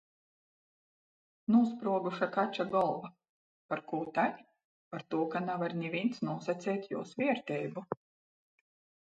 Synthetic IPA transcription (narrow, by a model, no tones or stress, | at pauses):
nuɔspɾuɔɡuʃakat͡ʃaɡɔlˠva | paɾkuːt̪aɲʲ | paɾt̪uɔkanavaɾnʲivʲint̪snuɔsat̪sʲɛːt̪ʲjuːsvʲiɛɾt̪ʲɛjbu